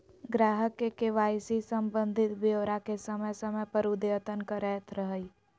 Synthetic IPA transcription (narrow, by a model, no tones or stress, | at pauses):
ɡɾaːɦəkːekeʋaːjsisə̃mbə̃nd̪ʱɪt̪bjoːɾakesəməjsəməjpəɾud̪eət̪ənkəɾɛːt̪ʰɾəɦəi